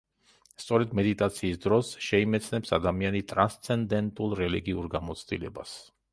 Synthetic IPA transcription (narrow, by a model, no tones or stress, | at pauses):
st̪sʼɔɾɛd̪mɛd̪it̪ʼat̪sʰiːsd̪ɾɔsʃɛimɛt̪sʰnɛpsad̪amianit̪ʼɾanst̪sʰɛnd̪ɛnt̪ʼulˠɾɛliɡiuɾɡamɔt̪sʰd̪ḭlɛbas